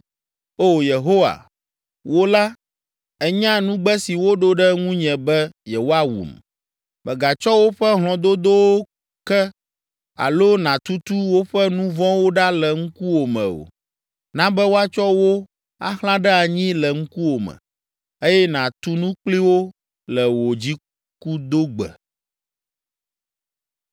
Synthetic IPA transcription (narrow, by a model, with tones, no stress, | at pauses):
o˦je˨ɦo˦wa̰˨ | wo˦la˦ | ɛ˦ɲã˦nũ˦ɡ͡bɛ˦si˨wo˦ɖo˦ɖɛ˦ŋũ˦ɲɛ̃˨bɛ˦jɛ˨wo˦a˦wṵ˨m | mɛ˨ɡa˨t͡ʃɔ˦wo˦ɸɛ˦ɦl̃ɔ̃˨d̪o˦d̪o˦wo˦ | kɛ˦ | a̰˨lo˦nã˨t̪u˦t̪u˦wo˦ɸɛ˦nũ˦vɔ̃˦wo˦ɖa˦lɛ˨ŋ̩˦ku˦wo˨mɛ̰̃˨o̰˨ | nã˦bɛ˦wo˦a˦t͡ʃɔ˦wo˦ | a̰˦xl̃ã˦ɖɛ˦a˨ɲĩ˦lɛ˨ŋ̩̃˦ku˦wo˨mɛ̰̃˨ | e˦jɛ˦nã˨t̪u˦nũ˦k͡pli˦wo˦ | lɛ˨wo˨d͡ʑi˦ | ku˦d̪o˦ɡ͡bɛ̰˨